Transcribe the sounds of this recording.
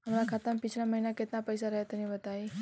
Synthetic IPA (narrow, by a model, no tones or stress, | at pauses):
amlakʰat̪ampit͡ɕʰlaməɦinaket̪napəjsaɾəɦet̪əñĩʋət̪ai